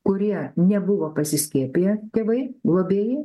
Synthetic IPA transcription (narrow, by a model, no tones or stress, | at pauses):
kʊɾʲiɛnʲɛbʊʋoːpɐsʲɪsʲkʲeːpʲejɛt̪ʲeːʋɐɪɡlˠoːbʲeːje